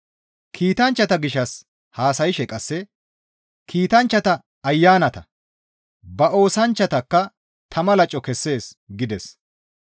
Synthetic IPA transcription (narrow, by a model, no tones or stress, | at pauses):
kʰiːt̪ɐnt͡ʃːɐt̪ɐɡɪʃːɐs | haːsɐjɪʃɛkʼɐsːɛ | kʰiːt̪ɐnt͡ʃːɐt̪ɐ | ɐjːaːnɐt̪ɐ | bɐʔo̞ːsɐnt͡ʃːɐt̪ɐkːɐ | t̪ʰɐmɐlɐt͡ʃʼːɔkɛsːe̞ːs | ɡɪd̪ɛs